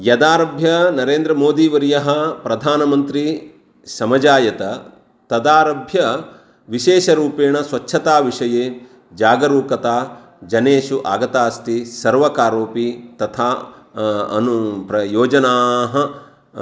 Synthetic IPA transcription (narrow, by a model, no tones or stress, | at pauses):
jɐd̪aːɾɐbʱjɐnɐɾeːnd̪ɾɐmoːd̪iʋɐɾjɐɦɐpɾɐd̪ʱaːnɐmɐnt̪ɾi | sɐmɐd͡ʒaːjɐt̪ɐ | t̪ɐd̪aːɾɐbʱjɐ | ʋiʃeːʃɐɾuːpeːɳɐsʋɐt͡ʃːʃʰɐt̪aːʋiʂɐjeː | d͡ʒaːɡɐɾuːkɐt̪aː | d͡ʒɐneːʃuʔa̰ːɡɐt̪aːst̪isɐɾʋɐkaːɾoːpit̪ɐt̪ʰaː | ɐ̰nupɐjoːd͡ʒɐnaːɦɐ